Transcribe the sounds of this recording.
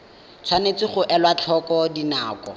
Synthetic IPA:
t͡sʰwanet͡sɪχʊʔɛlwat͡ɬʰɔkɔdinaːkɔ̰

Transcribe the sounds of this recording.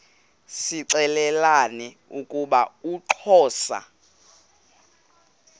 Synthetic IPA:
siǀɛlɛlanɛ | ukʼuɓauǁʰɔːsa̰

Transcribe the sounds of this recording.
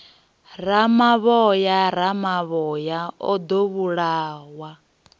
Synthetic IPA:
ɾamaβɔjaɾamaβɔjaɔd̪oβuɺaːwa

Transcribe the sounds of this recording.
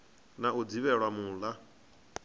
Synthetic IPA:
naud͡ziβɛɺwamuːla

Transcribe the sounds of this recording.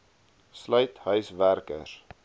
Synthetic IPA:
slœɥthœɥsværkə̰r

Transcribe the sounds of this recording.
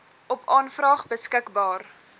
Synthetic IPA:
ʔɔpɑːnfrɑːχbəskəkbɑːr

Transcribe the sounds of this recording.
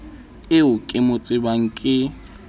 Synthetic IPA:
ɪʊkʼɪmot͡sʼɪbaŋ̩kʼɪ

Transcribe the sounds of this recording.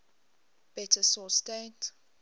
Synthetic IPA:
b̥ɛtʰəsɔstẽnt

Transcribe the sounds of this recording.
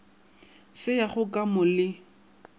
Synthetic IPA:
sɪjaχʊkʼamʊlɪ

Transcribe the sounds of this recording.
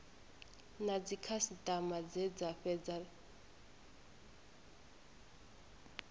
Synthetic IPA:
nad͡zikʰasitʼamad͡zɛd͡zaɸɛd͡zal

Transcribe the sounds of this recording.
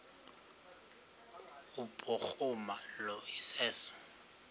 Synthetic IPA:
upʼʊk͡xʊmalɔisɛːsɔ̥

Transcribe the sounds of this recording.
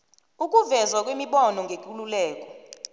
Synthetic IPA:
uk̬ʼuvɛzwak̬ʼwemiɓɔnɔŋɡʱekʼululɛːk̬ʼɔ

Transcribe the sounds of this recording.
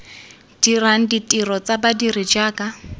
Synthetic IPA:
d̥iraŋ̩ditʼirɔt͡sabadirid͡ʒaːkʼa

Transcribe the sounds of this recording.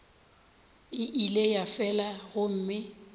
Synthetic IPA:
ɪʔilejafɛlaɣʊm̩ːmɪ

